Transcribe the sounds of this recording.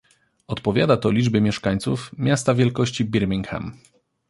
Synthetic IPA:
ɔt̪pɔvʲjad̪at̪ɔlʲid͡ʐbɘmʲjɛʂkaɲʲt̪sufmʲjast̪avʲjɛlkɔɕt͡ɕibʲiɾmʲiŋkxɛ̰m

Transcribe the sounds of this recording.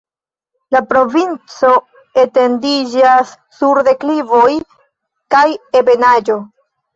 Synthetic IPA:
lapɾo̞vint͡so̞ | e̞te̞ndid͡ʒasːuɾde̞klivoj | kaje̞be̞nad͡ʒo̞

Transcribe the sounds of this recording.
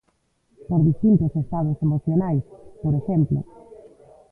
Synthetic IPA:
poɾðist̪int̪ʊsest̪að̞osemoθjonajspoɾeʃemplo̰

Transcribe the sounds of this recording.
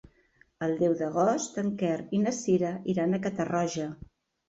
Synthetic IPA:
əlˠd̪ɛwðəɣ̞ɔst̪əŋkɛɾinəsiɾəiɾanəkət̪ərɔʒə

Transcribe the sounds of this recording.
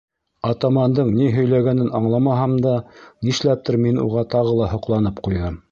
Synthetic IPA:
ɑt̪ɑmɑnd̪ɤɴniɦɵ̆jlæɡænɘnɑɴlˠɑmɑɦɑmd̪ɑniʃlæp̚t̪ɘɾminṵʁɑt̪ɑʁɤlˠɑɦŏqlˠɑnɤpqujðɤm

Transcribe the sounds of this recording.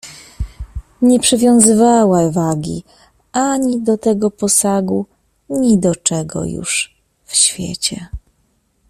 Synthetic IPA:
ɲɛpʂɘvʲjɔ̃w̃zɘvawavaɡʲḭ | ʔaɲid̪ɔt̪ɛɡɔpɔsaɡu | ɲid̪ɔt͡ʂɛɡɔ̰jṵʂ | fɕfʲjɛ̰t͡ɕɛ

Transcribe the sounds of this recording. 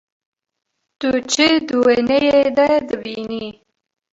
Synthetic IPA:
t̪ut͡ʃed̪uwenejed̪ad̪əbini

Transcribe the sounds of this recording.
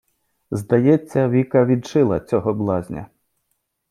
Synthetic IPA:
zd̪ɐjɛt͡sʲːɐʋʲikɐʋʲid̪t͡ʃɪlˠɐ̰t͡sʲɔɦɔblˠɑzʲnʲɐ̰

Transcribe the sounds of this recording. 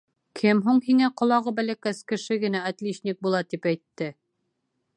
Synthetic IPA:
kʰɘmɦuɴhiŋæqŏlˠɑʁɤbælækæskɘ̆ʃɘɡɘ̆nææt̪lʲiɕnʲik̚bulˠɑt̪ipæjt̪ːɘ

